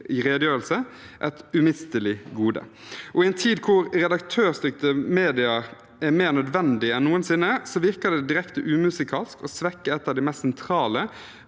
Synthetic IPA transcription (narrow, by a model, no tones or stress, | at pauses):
ɪɾeːd̪jøːɾəlsə | ʔɛt̪ʉmɪst̪əlɪɡuːd̪ə̰ | ʔɔɪɛnt̪ʰiːd̪kʰʊɾɾɛd̪ɑk̚t̪ʰøːɾst̪ʏkt̪əmeːd̪ɪɑ | æɾmeːɾnœd̪ʋɛnd̪ɪɛnːuːənsɪnːəsɔʋɪʁkəd̪ɛd̪ɪɾɛkt̪əʔʉːmʉsɪkʰɑːlskɔsʋɛkːəɛt̪ːɑʋd̪ɪmɛst̪sɛnt̪ʰɾɑːlə